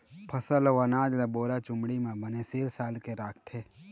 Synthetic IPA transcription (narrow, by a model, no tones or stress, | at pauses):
pʰəsəlʋənaːd͡ʒlaboːɾat͡ʃʊmɽimẽbəneseːlsaːlkeɾaːkʰt̪ʰeː